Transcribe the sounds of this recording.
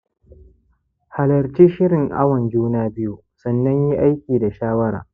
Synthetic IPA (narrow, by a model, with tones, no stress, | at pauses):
ha˨lɐ˨ɾt͡ʃiː˦ʃɪ˦ɾɪ˨ŋʔa̰˦wɐ˨nd͡ʒuː˦naː˦bɪ˦ju˨sɐ˨nːɐ˦ɲji˦ʔa˦jkʲiː˨da˨ʃaː˦wɐ˦ɾa̰ː˨